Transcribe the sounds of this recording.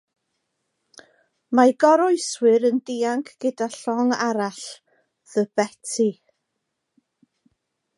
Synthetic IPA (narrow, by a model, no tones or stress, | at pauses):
maɡɔɾɔjswɨɾəndiːaŋkʰɡ̥ɪdaɬɔŋaɾaɬ | ðəbɛtʰi